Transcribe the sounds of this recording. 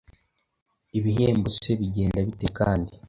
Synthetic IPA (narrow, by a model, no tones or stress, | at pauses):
iβiɦeːmbuse̞βiɟe̞ːndaβite̞kaːndi